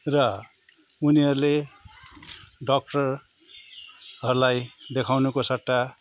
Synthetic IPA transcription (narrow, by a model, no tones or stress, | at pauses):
rʌ | uniɦʌɾule | ɖʌk̚ʈʌr | ɦʌɾulajd̪ekʰawnukosʌʈːa